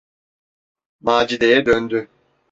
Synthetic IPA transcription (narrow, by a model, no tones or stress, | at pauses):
maːd͡ʒid̪ejɛd̪ønd̪y